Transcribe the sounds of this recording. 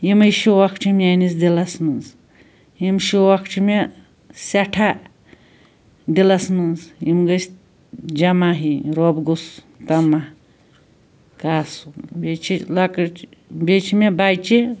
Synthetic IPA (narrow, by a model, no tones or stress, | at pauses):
jimɐjʃowakʰt͡ʃʰimʲanisd̪ilɐsmɨz | jimʃowakʰʈʰime | sɐʈʰa | d̪ilɐsmɨnzjimɡəsʲ | d͡ʒɐmaɦiɾobɡus | t̪ɐma | kaːsubet͡ʃʰilɐkt͡ʃbet͡ʃʰimebajt͡ʃi